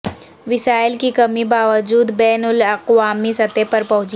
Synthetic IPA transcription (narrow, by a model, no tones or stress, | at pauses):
ʋɪsaːɪlkikɐmibaːʋəd͡ʒuːd̪bɛːnʊlɐqwaːmisɐt̪epɐɾpɐɦʊ̃d͡ʒ